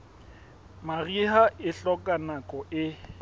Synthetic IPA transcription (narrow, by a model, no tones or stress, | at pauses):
mariɦaʔɪɬɔkʼanakʼɔʔɪ